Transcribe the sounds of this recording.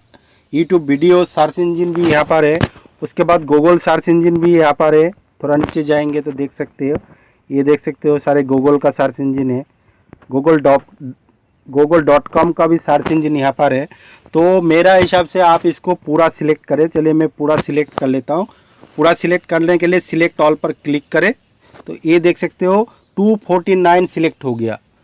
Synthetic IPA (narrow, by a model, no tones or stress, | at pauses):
juːʈjuːbːiːɖijosaːɾsɪ̃nd͡ʒɪnbʱijɐɦãpaɾɦɛ | ʊskebaːd̪ɡoːɡəlsaːɾsɪ̃nd͡ʒɪnbʱijɐɦãpaɾɦɛ | t̪ʰoːɾaniːt͡ʃed͡ʒaːẽːŋɡet̪od̪eːk̚ʰsɐk̚t̪eɦõ | jed̪eːkʰsɐk̚t̪eɦõsaːɾeɡoːɡəlkasaːɾsɪ̃nd͡ʒɪnɦɛː | ɡoːɡəlɖ | ɡoːɡəlɖɔːʈkɔːmkabʱisaːɾsɪ̃nd͡ʒinɪɦapaɾɦɛː | t̪oːmeːɾaɦɪsaːbseaːpɪskopuːɾasɪleːk̚ʈkɐɾẽt͡ʃɐliemɛ̃puːɾasɪlek̚ʈkɐɾleːt̪aɦũ | puːɾasɪlek̚ʈkɐɾnekeliesɪleːk̚ʈɔːlpɐɾklɪkːɐɾẽː | t̪o̰jed̪eːkʰsɐk̚t̪eɦo | ʈuːpʰoːɾʈinaːɪnsɪleːk̚ʈɦoɡɐja̰ː